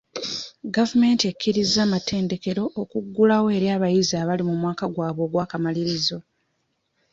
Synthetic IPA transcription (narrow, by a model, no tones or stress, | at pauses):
ɡavume̞ːntiekʰːiɾizːaːmate̞ːnde̞ke̞ɾo̞ʔokuɡːulawoe̞ɾjaːβajiziaːβalimumwaːkaɡwaːβo̞ːɡwaːkamaliɾizo̞